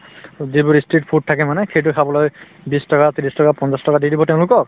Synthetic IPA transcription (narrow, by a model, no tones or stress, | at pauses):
zibuɹistɹit̚pʰut̚tʰːakɛmanɛxejt̬ʊkʰabɔloj | bistɔkatilistɔkapɔnsastɔkadidibɔtɛʊ̃lʊkɔk̚